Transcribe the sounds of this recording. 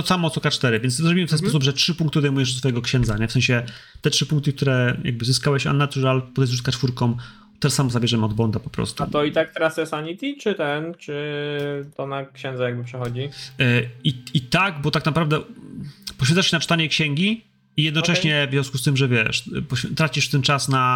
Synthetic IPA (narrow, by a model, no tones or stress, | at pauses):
t̪ɔsamɔt̪sɔkat͡ʂt̪ɛɾɘvʲjɛnt̪szɾɔbʲimft̪ɛnspɔsubʐɛtʂɘpũŋkt̪ɘɨɔd̪ɛjmujɛʐd̪ɔt̪sfɔjɛɡɔkɕɛnd̪zaɲɛfsɛ̃ñɕɛt̪ɛtʂɘpũŋk̚t̪ɘkt̪uɾɛja̰ɡ̚bɘzɘskawɛɕa̰nːat̪uɾalpɔd̪ɛjzut̪kat͡ʂfuɾkɔm | t̪ɛɾassːamɔzabʲjɛʐɛmɔd̪bɔnd̪apɔpɾɔ̰st̪ut̪ɔit̪ak̚t̪ɛɾasɛsaɲit̪ʲit͡ʂɘt̪ɛnt͡ʂɘt̪ɔnakɕɛ̃nd̪zɛjaɡ̚bɘpʂɛxɔd͡ʑi | iit̪aɡbɔt̪aknapɾavd̪ɛ | pɔɕfʲɛnaʂɕɛnat͡ʂɨ̥t̪aɲɛkɕɛŋɡʲi | ijɛd̪nɔt͡ʂɛɕɲɛvzjɔ̃w̃skust̪ɘmʐɛvʲjɛʂpɔɕfʲt̪ɾat͡ɕiʂft̪ɛnt͡ʂasna